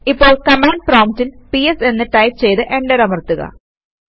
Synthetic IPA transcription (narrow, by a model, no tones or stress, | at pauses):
ipːo̞ːɭkɐmaːɳɖ̚proːmtilpiese̞nːɨʈɐjp̚t͡ɕe̞jt̪ɨʔe̞ɳɖɐɾɐmɐrt̪ːuɣɐ̰